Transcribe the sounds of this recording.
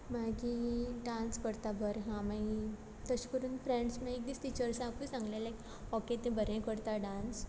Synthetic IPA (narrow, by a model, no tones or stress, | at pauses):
makiɖãnskəɽt̪abʱəɾɦãmai | t̪əɕkəɾuːnfɾɛ̃ɳɖsmãek̚d̪ist̪it͡ɕəɾsãkusãŋɡlelak | ɔket̪ẽbʱəɾẽkəɽt̪aɖãns